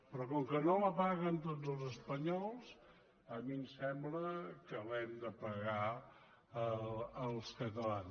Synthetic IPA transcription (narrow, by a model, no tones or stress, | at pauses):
pɾɔkɔŋkənoləpaɣənt̪od͡zəlˠzəspəɲɔlˠs | əmimsɛmbləkəlɛmd̪əpəɣa | əəlˠskət̪əlan